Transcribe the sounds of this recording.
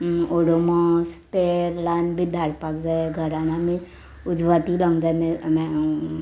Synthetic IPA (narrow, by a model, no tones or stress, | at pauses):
oɽomɔspeɾlanbʱid̪ʱaɾpakd͡ʒaeɡʱəɾanami | ud͡ʒʋat̪ilə̃ŋɡd͡ʒanemɛ